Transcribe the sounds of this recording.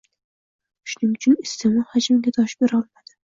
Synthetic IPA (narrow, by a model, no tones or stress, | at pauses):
ʃʊnɪŋʊt͡ʃʰʊnɪst̪ʰɪmɒlˠhad͡ʒmɪɡʲad̪ɒʃbeɾɒlˠmad̪̥ɪ̥